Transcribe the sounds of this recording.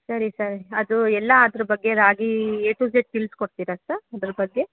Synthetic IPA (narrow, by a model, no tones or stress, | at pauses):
sɐɾisɐɾɐd̪uɛlːɐːd̪ɐɾɐbɐɡːe̞ɾaːɡieːʈuːd͡ʒeʈ̚pilskoɽt̪iːɾɐsɐɾɐd̪ɐɾɐbɐɡːe̞